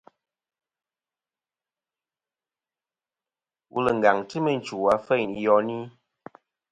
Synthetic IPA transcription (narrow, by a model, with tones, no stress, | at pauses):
wʔṵ˦lə˨ŋ̩˨ɡa˨ŋtə˦mə˨n̩˨t͡ʃu˨a˨˦fɛ˦˨n˨jɔ˦ni˦